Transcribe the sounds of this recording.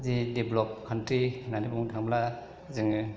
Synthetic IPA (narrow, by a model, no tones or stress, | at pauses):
zideblɔp̚kʰantɾinanibuŋtʰaŋmla | zɯŋɯ